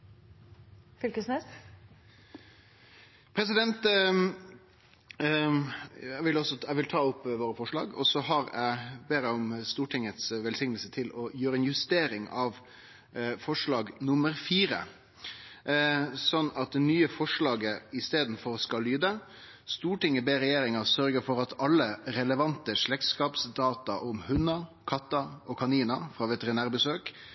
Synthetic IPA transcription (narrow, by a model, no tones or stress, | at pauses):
fʏlkəsne | pʰɾɛs̬ɪd̪ɛnt̪ | æʋɪlɔsɔæʋɪlt̪ʰɑːʊpːʋoːɾəfɔʂɭɑ̰ːɡɔ̰sɔɦɑɾæɪbeːɾæʊmst̪uːʈʰɪŋət̪sʋɛlsɪŋnəlsət̪ʰɪlɔjøːɾəɛnjʉst̪eːɾɪŋʔɑʋ | fɔʂɭɑːɡnʊməɾfiːɾə̰ | sɔnːɑt̪̚d̪ɛnyːəfɔʂɭɑːɡəɪst̪eːd̪n̩fɔɾskɑlyːd̪ə | st̪uːʈɪŋːəbeːɾɛjeːɾɪŋɑɾsœɾɡəɾfɔɾɑt̪ʰɑlːəɾɛləʋɑnt̪əʂɭɛk̪̚skɑːpsd̪ɑːt̪ɑʔɔmhʉnɑkʰɑt̪ːɑɔkʰɑniːnɑfɾɑːʋɛt̪əɾɪnæːɾbəsøːk